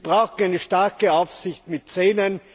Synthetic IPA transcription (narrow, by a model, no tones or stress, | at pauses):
b̥ʁaʊxtn̩aɪnəʃtaɐkəaʊfsɪçtmɪt̚t͡seːnən